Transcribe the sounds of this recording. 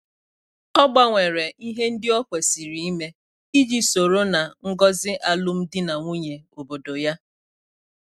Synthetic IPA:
ɔ˦ɡ͡ba˦ŋʷe˨ɾe˨ʔi˦ɦe˦n̩˦dɪ˦ɔ˦kʷe˨si˨ɾi˨i˦me˦ | i˦d͡ʒi˦so˨ɾo˦na˨ŋ̩˦ɡɔ˦zɪ˦ʔa˨lʊ˦m̩˦dɪ˦na˨ŋʷu˦ɲe˨o˨bo˨do˨ja˦

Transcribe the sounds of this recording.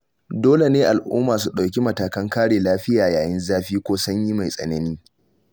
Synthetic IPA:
doː˦le˨neː˦ʔa˨lʔṵː˦mːaː˨su˨ɗa˨wkʲi˦mɐ˨taː˨kɐ˦ŋkaː˦ɽeː˨laː˦ɸɪ˦jaː˨jaː˨jɪ˦nzaː˦ɸiː˦kʷoː˦sʊ˦ɲji˦ma˨jsʼɐ̰˨nɐ˦niː˦

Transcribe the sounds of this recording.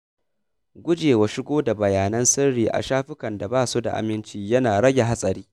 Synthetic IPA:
ɡʷʊ˦d͡ʒeː˨wa˨ʃɪ˦ɡʷoː˦da˨bɐ˨jaː˨nɐ˦nsɪ˦rɽiː˨ʔa̰˨ʃaː˦ɸɪ˦kɐ˨nda˨baː˦su˦da̰˨ʔa̰˨mɪ˦nt͡ʃiː˦jɐ˦naː˨ɽɐ˦ɡʲe˨ɦa˦sʼɐ˨ɾiː˦

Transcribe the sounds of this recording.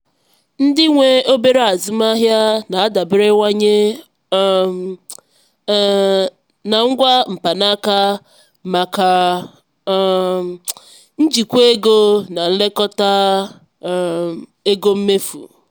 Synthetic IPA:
n̩˦dɪ˦ŋʷe˦o˦be˦ɾe˦a˨zʊ˦ma˦ɦja˦na˨a˦da˨bɪ˦ɾe˦ŋʷa˦ɲe˦˨ | na˨ŋ̩˦ɡʷa˦m̩˨pa˨na˦ka˦ | ma˨ka˨ | n̩˦d͡ʒi˨kʷe˦ɡo˦na˨n̩˦le˦kɔ˦ta˦˨ | e˦ɡo˦m̩˦me˦fṵ˨

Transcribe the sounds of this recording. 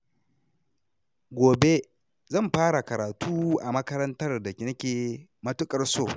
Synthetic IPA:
ɡʷoː˨be˦ | zɐ˦˨mɸaː˦ɽa˨kɐ˨ɾaː˨tuː˦ʔa˨mɐ˦kɐ˦ɾɐ˦ntɐ˦rda˨kʲɪ˨nɐ˦kʲeː˨ | mɐ˦tʊ˦kʼɐ˦rsoː˦˨

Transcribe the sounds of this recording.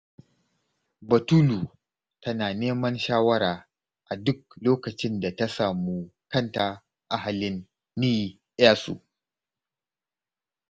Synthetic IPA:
bɐ˨tuː˦lu˨ | tɐ˦naː˨neː˦mɐ˦nʃaː˦wɐ˦ɾaː˨ | ʔa˨dʊ˦k̚loː˦kɐ˨t͡ʃɪ˦nda˨ta˦saː˨mu˦kɐ˦˨nta˨ | ʔa˦ɦa˨lɪ˦nː | iː˦ | ʔa˦sṵ˨ʔ

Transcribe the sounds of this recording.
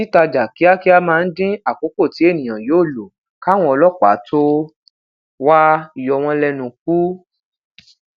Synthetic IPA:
i˦ta˧d͡ʒa˨ki˨˦a˦ki˦a˦mãː˧n̩˦dĩ˦a˦˨k͡po˨˦ko˦˨ti˨˦e˦˨nĩ˨j̃ã˨joː˦˨lo˨ | ka˦˨w̃ɔ̃˦ɔ˧lɔ˦˨k͡pa̰˨˦tʰo˦ | wa˦i˨jɔ˧˨w̃ɔ̃˧lɛ˧nũ˧k̚u˦

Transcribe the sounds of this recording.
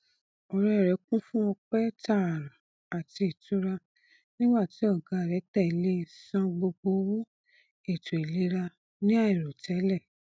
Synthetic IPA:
ɔ˧ɾɛ˦˨ɾɛ˨˧˦kũ˦fũ˦ɔ˧k͡pɛ˦ta˦˨ɾã˨ | a˨ti˧i˨tu˦ɾa˧ | nĩ˦ɡ͡ba˦˨ti˨˦ɔ˦˨ɡa˨ɾɛ˨˦tɛ˦˨˦le˦sã˧ɡ͡bo˧ɡ͡bo˧˦wo˦ | e˦˨to˨i˨li˨˦ɾa˧ | nĩ˦a˦˨i˨ɾo˨tɛ˨˦lɛ˦˨

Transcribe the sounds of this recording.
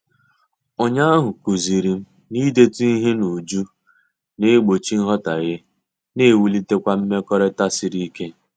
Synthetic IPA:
o˦ɲa˦a˦ɦʊ˨ku˨zi˨ɾi˨m̩˦ | ni˦de˦tu˦i˦ɦe˦nu˨d͡ʒu˦ | ne˦ɡ͡bo˨t͡ʃi˦n̩˦ɦɔ˦ta˨ɣɪ˦ | ne˦˨wu˦li˦te˦kʷa˦m̩˦me˦kɔ˦ɾe˦ta˦sɪ˨ɾi˦ke˦

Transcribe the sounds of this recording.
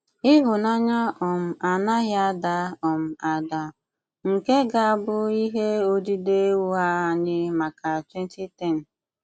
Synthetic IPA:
ɪ˦ɦʊ˨na˦ɲa˦ɔ˨m̩˨a˨na˦ɣja˦da˨˦ɔ˨m̩˨a˨da˨ | ŋ̩˨ke˦ɡa˨a˦˨bʊ˦i˦ɦe˦o˦di˦de˦wu˦ɦa˦a˨nɪ˦ma˨ka˨te˦n̩˦ti˦tɛ˦˨n̩˨

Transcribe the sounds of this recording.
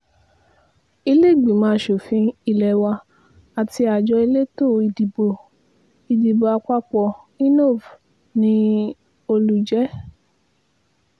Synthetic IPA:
i˧le˦˨ɡ͡bĩ˨mãː˧˦ʃo˨fĩ˧i˧lɛ˨wa˧ | a˨ti˧a˨d͡ʒɔ˧i˧le˦to˦˨i˨˧di˨bo˧ | i˧di˨bo˨˧a˧k͡pa˦k͡pɔ˧ | i˦no˦˨v | nĩ˦ | o˧lu˧d͡ʒɛ˦

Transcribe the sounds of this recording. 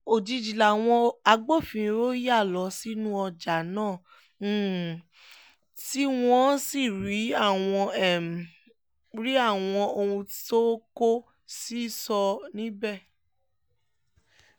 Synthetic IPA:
o˨d͡ʒi˧d͡ʒi˨la˨w̃ɔ̃˧a˧ɡ͡bo˦˨fĩ˨˧ɾo˦ja˦˨lɔ˨˦si˦nũ˦ɔ˧d͡ʒa˨˦nãː˦˨˦ | ti˦w̃ɔ̃˦si˦˨ɾi˨˦a˦˨w̃ɔ̃˧ɛ˦˨m˨ | ɾi˨˦a˦˨w̃ɔ̃˧o˧ũ˧˦to˦ko˦ | si˦sɔ˧nĩ˦bɛ˦˨

